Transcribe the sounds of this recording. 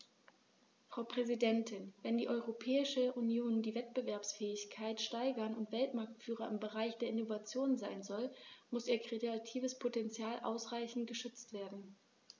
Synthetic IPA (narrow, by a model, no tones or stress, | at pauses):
fʁ̥aʊpʁ̥ɛzidɛntʰɪnvɛndiːʔɔʏʁopʰɛːɪʃəʔunjoːndiːvɛt̚b̥əvɛɐpsfɛːɪçkʰaɪtʃtaɪɡɐnʊntv̥ɛltmaɐk̚tfyːʁɐɪmbəʁaɪçd̥eːɐɪnovat͡sjoːnzaɪnzɔlmʊsʔiːɐkʁ̥edatʰiːvəspʰotɛnt͡sjaːlʔa̰ʊsʁaɪçn̩t̚ɡ̥əʃʏt͡stv̥eːɐdn̩